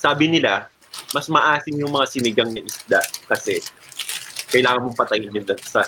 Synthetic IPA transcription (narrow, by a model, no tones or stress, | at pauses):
saːbɪnɪla | mɐsmɐʔaːsɪŋjʊŋmɐŋasɪnɪɡɐŋnɐʔɪsd̪aʔkɐsɛ | kɐjlaːŋɐnmoŋpɐt̪ɐjɪnːʊndɐɡsa